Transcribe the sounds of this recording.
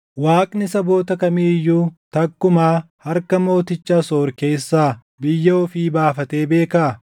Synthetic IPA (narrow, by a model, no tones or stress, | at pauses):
waːkʼnɪsɐbo̞ːt̪ɐkɐmiːjːuːt̪ɐkːʊmaːhɐɾkɐmo̞ːt̪ɪt͡ʃːaːso̞ːɾke̞ːsːaː | bɪjːɐɔfɪbaːfɐt̪e̞ːbe̞ːkaːʔ